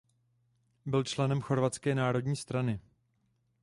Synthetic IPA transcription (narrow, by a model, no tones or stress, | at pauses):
bɪlt͡ʃlɛnɛmxo̞ɾvat̪t͡skɛːnaːɾo̞dɲiːst̪ɾanɪ